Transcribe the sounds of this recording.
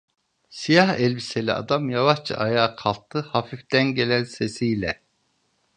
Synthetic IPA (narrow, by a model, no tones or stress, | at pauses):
sijahɛlʲbiselʲḭa̰d̪amjavaʃt͡ʃʰa̰ʔajaːkʰalˠt̪ʰːɯhafift̪ænɟe̞lʲænse̞sijlʲɛ